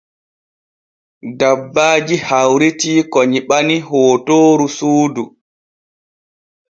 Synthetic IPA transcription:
dabːaːd͡ʒihawɾitiːkɔɲiɓaniɦoːtoːɾusuːdu

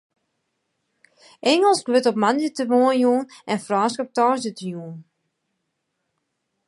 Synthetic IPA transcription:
ʔɛŋəlˠskʋɪtɔp̚manjətəʋoːənjuənʔɛnfraːskɔp̚tɔːzjətəjuən

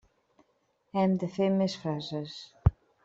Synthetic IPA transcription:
ɛmd̪əfeɾmesfɾazəs

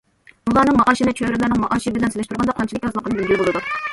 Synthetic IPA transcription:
ulˠɑnɨŋmɑʔɑːʃinɪt͡ʃʰøɾɪlæɾnɨŋmɑʔɑːʃibɪlɛnselɛʃt̪ʰuɾʁɑnd̪ɑqʰɑnt͡ʃʰilˠɪkʲɑzlˠəqːənɨbɪlbʲijbolˠɨd̪u

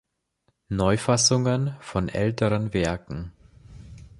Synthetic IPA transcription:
nɔʏfasʊŋənfɔnʔɛ̰ltəʁənvɛɐkŋ̩

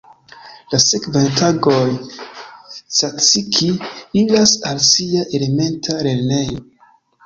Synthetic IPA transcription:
lasekvantaɡoj | sat͡sikʰiilasalsiaʔele̞me̞ntʰaɾe̞lne̞jo

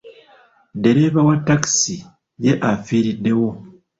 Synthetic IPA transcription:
de̞ɾe̞ːβawatːaki̥si | je̞ʔafiːɾidːe̞wo̞

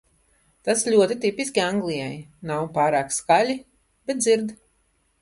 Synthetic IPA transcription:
t̪aslʲuɔt̪it̪ipisʲkʲiaŋɡlˠijajnawpaːɾaːkskalʲi | b̥et̪d̪ziɾd̪

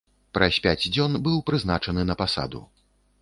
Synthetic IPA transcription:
pɾɐsʲpʲad͡zʲd͡zʲɔnbɨwpɾɨznat͡ʂɐnɨnɐpasa̰d̪ṵ

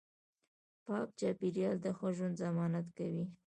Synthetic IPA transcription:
pɑk̚t͡ʃɑpiɾjɑld̪əxoʒund̪zamɑnat̪kawi

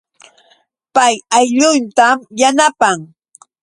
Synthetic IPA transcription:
pajajʎʊnt̪amjanapaŋ

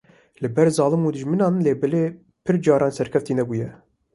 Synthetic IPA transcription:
lɨbɛɾzɑːlɨmuːd̪ɨʒmɨnɑːnleːbɛleː | pʰɨɾd͡ʒɑːɾʔɑːnsɛɾkʲʰɛft̪iːnɛbuːjɛ

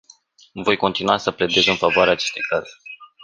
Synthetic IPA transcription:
vo̞jko̞nt̪inuasəple̞d̪e̞zɨnfavoaɾeaːt͡ʃe̞st̪e̞jkaze

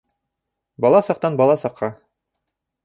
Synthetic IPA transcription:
bɒlˠɑsɑq̚t̪ɑnbɑlˠɑsɑqʰːɑ

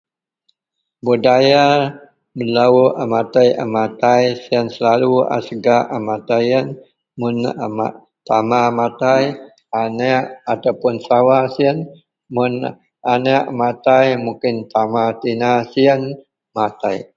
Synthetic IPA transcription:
budaja | məlauʔamat̪aja̰mat̪ajsiənsəlalua̰sɡaʔamat̪ajən | mʊnma | t̪amamat̪aj | anɛʔat̪awpʊnsawasiən | mʊn | anəʔmat̪ajmukɪnt̪amat̪inasiən | mat̪aj

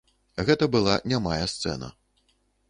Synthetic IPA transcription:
ɣɛt̪ɐbɨlˠanʲamajɐst̪sɛ̰nɐ̰

